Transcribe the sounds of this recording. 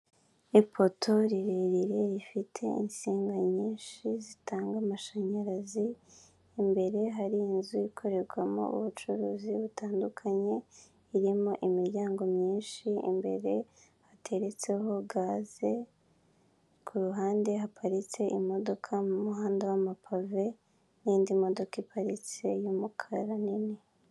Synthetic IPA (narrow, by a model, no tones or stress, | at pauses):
ipʰo̞tʰo̞ɾiɾeɾiɾe̞ɾifitʰe̞̰insiːŋɡaɲiːnʃizitaːŋɡamaʃaɲaɾaziː | mbe̞ɾe̞ɦaɾinzuikʰo̞ɾe̞ɾɡwamo̞̰ṵβut͡ʃuɾuːziβutaːndukʰaɲe̞ | iɾimo̞ʔimiɾɟaːŋɡo̞mɲiːnʃiḭmbe̞ɾe̞ | hatʰe̞ɾe̞t͡se̞ɦo̞ɡaːze̞ | kʰuɾuɦaːnde̞ɦapʰaɾit͡se̞ʔimo̞do̞kʰamumuɦaːndawamapʰave̞ | niːndimo̞do̞kipʰaɾit͡se̞jumukʰaɾanini